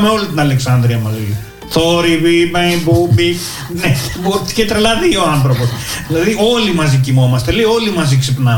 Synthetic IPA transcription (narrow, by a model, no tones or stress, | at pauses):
meo̞lit̪inɐleksɐnd̪ɾiɐmɐzi | θo̞ɾipipeibupi | nebot̪i̥cet̪ɾelɐðio̞ɐnθɾo̞po̞s | ðilɐðio̞limɐzicimo̞mɐst̪eleo̞limɐziksipnɐ